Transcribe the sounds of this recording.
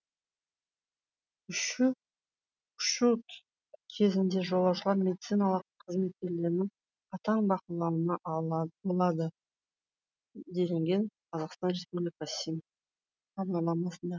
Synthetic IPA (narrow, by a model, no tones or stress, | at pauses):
ʏʃ | ʃut̪ | kʲʰe̞zɪnd̪e̞ʒo̞lˠɑwʃəlˠɑɾmʲe̞d̪it̪sijnɑlˠəqʰːəzme̞t̪̚kʲe̞ɾle̞ɾɪnɪŋ | qʰɑt̪ɑɴbɑqəlˠɑwənɑbolˠɑd̪ə | d̪e̞leŋɡʲe̞ɴqʰɑzɑqst̪ɑnɾe̞spublʲikɑsimʰ | ɑbnɑlˠɑmɑsənd̪ɑ